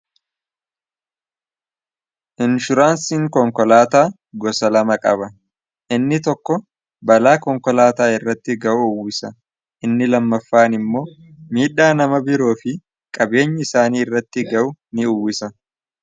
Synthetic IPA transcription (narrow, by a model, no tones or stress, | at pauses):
ʔɪnʃʊɾaːnsiːŋkɔŋkɔlaːt̪aː | ɡɔsɐlɐmɐkʼɐbɐ | ʔɪnːɪt̪ɔkːɔ | bɐlaːkɔŋkɔlaːt̪aːɪrːɐt̪ːɪɡɐʔʊʊwːɪsɐ | ʔɪnːɪlɐmːɐfːaːnɪmːo̞ː | miːᶑaːnɐmɐbɪɾo̞ːfɪ | kʼɐbe̞ːɲːɐɪsaːniːɪrːɐt̪ːɪɡɐʔʊnɪʊwːɪsɐ